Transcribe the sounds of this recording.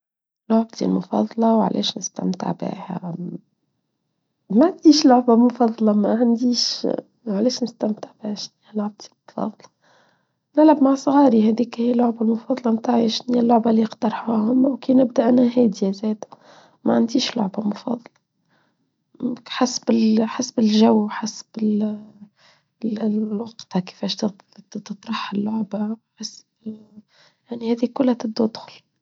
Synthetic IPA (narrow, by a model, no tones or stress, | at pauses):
lʊʕb̚t̪ʰḭlmʊfɑ̰ðˤɑlɑwʕ̰lʔɛ̰ːʃnɪst̪æ̰mt̪ə̰ʕbḛːhæ̰ | maʕand̪iːʃlʊʕbamʊfɑðˤːɑlɑmæʕand̪iːʃ | ʕalɛːʃnɪst̪æmt̪əʕbɪhæʃnijhælʊʕb̚t̪ʰi̥lmfɑ̰ðˤɑlɑ | nɪlʕabmaʕsˤɣɑːɾihɛd̪iːkhijælːʊʕbalmʊfɑːðˤɑlɑmt̪aːʕjæʃniːælːʊʕbaliqt̪ɑɾˤħuhʊmːwkiːnɪb̚d̪æʔænhæɦɛːd̪jæzɛːd̪ | mʔaʕand̪iːʃlʊ̰ʕbamʊfɑ̰ːðˤɑlɑ | ħasbɪlħasbɪlʒawwħasbɪl | wɑqt̪hakɪ̥fɛːʃt̪ | t̪ɨt̪ˤɾˤɑħɪlːʊʕbawħasb | jaʕnihæːðikʊlːhæt̪ɪb̚d̪ud̪xʊl